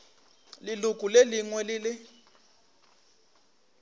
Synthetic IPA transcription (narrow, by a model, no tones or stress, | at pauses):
lilukʼuleliŋwɛlilɪ